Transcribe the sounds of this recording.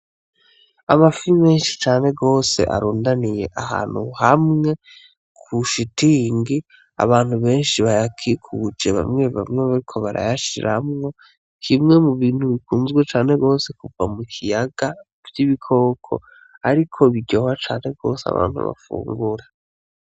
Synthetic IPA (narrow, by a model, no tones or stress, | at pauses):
amafiime̞ːnʃi̥t͡ʃaːne̞ɡo̞ːse̞̰ʔa̰ɾuːndanije̞ʔaha̰ːn̥huhamŋe̞ | kʰuʃitiŋɡi | a̰βaːn̥huβe̞ːnʃiβajakʰikʰud͡ʒeβa̰mŋe̞βa̰mŋe̞βaɾikʰo̞βaɾa̰jaʃiɾʔamŋo̞ | kʰimŋe̞muβiːnhuβikʰuːnzɡwet͡ʃaːne̞ɡo̞ːse̞kuvamukʰijaɡ̥a | vjiβikʰo̞ːkʰo̞̰ | aɾikʰo̞βiɟo̞hat͡ʃaːn̥e̞ɡo̞ːsea̰βa̰ːn̥hṵβa̰fṵːŋɡuɾa